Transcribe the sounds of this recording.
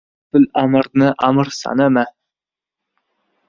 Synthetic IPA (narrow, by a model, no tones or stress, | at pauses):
bɪlamɨɾnɪʔamɨɾsa̰nama